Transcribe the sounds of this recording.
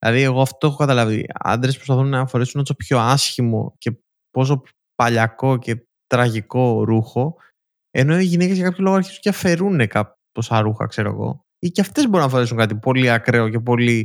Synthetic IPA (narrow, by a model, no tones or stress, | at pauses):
ðilɐ̰ðie̞ɣoɐft̪o̞exokɐt̪ɐlɐvḭɐ̰nd̪ɾe̞spɾo̞spɐθunnɐfo̞ɾesunosopço̞ɐsçimo̞̰ce̞ | po̞s̬o̞ | pɐʎɐko̞ce̞ | t̪ɾɐʝiko̞ɾuxo̞ | e̞no̞iʝinecezʝɐkɐpçolo̞ɣoɐɾçisu̥ceɐfe̞ɾunekɐ | tosɐɾuxɐ̰kse̞ɾoɐ̰ɣo̞̰ | icɐft̪e̞zboɾunɐfo̞ɾeuŋkɐt̪ipo̞liɐkɾe̞o̞ce̞p̬o̞li